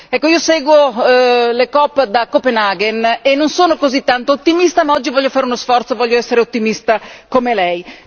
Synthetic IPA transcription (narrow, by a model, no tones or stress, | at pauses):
ɛkːoiːosɛːɡwo | lekɔpːd̪akːopenaɡenenːonsoːnokozit̪ːant̪oːt̪ːimist̪amaɔd͡ʒːivɔʎːofaːɾeunosfɔɾt̪sovɔʎːoɛsːeɾeot̪ːimist̪akomelɛj